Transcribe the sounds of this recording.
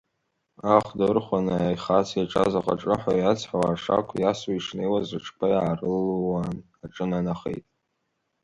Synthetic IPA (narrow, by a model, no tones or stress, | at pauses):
aχdaɨrχʷanajχasʰjaʈ͡ʂʼa̰zaqʼa̰ʈ͡ʂʼɨħa̰jat͡sʰħawaːʂa̰kʷʰjasaiʂnejwazrɨʈ͡ʂʰpʰajʕarɨlwan | aʈ͡ʂʼɨnanaχḛjtʼ